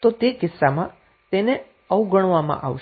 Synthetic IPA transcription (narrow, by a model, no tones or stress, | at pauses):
t̪ot̪ekɪsːamã | t̪ene | əwɡʱəɽ̃ʋamã̰ʔa̰ʋʃ